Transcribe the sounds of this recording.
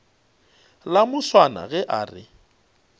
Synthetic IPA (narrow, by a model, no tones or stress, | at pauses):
lamʊswana̰ɣɛʔaːrɪ̰